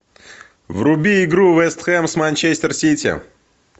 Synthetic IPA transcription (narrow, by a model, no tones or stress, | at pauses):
vrʊbʲiɪɡɾuvɛst̪xɛmsmanʲt͡ɕesʲtʲɪrsʲit̪ʲɪ̰